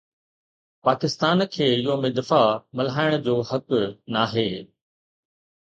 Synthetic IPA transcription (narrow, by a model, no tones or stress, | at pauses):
paːkɪst̪aːnkʰeːɪɦomɪ̃d̪ɐfamɐlɦaːɪɽ̃d͡ʑoːɦɐknaːɦeː